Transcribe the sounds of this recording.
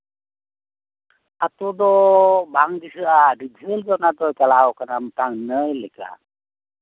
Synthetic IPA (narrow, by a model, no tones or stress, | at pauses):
at̪ud̪ɔbaŋd̪isɯʔadid͡ʒʱəlɡanad̪ɔjkalawkanamət̪aŋnəjlɛka̰